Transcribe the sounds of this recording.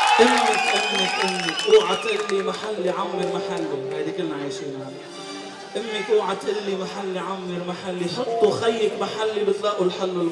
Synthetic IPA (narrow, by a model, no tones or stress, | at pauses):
ʔɪmːɪkʔɪmːɪkʔɪmːɪkʔuːʕat̪ʔɪlːimaħalːiʕamːɪɾmaħalːihajd̪ikɪlːnaʕaːjʃina | ʔɪmːɪkʔuːʕat̪ːʔɪlːimaħalːiʕamːɪɾmaħalːiħɑt̪ˤːuxajːɪkmaħalːibɪt̪ˤlɑːʔʊlħalːɪl